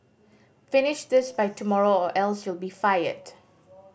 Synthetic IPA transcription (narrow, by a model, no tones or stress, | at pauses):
fɪnɪʃd̪ɪsbaɪtʰumɔɹoɔʔɛlswɪlˠbifajə̰d